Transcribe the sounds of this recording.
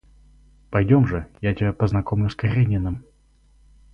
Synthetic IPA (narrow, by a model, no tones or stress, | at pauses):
pɐjdʲomʐɨjatʲɪbʲapəznɐkomlʲʊskɐɾʲenʲɪnəm